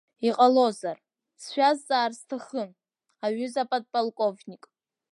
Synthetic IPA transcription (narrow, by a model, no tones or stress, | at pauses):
iqʼalozar | sʃʷᶣazːʼaːrstʰaχən | aɥʏzapʼad̚pʼalˠkʼovnʲikʼ